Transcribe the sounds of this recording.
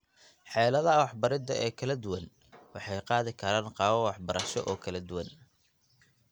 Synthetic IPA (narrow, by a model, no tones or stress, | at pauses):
ħɛːlɐðɐwɑħbɐɾɪd̪ɐʔɛːkʰɐlɐd̪ʊwɐn | wɑħɑjqɑːðɪkʰɐɾaːnqɑːwɐwɑħbɐɾɐʃɔ̰ʔɔːkʰɐlɐd̪ʊwɐn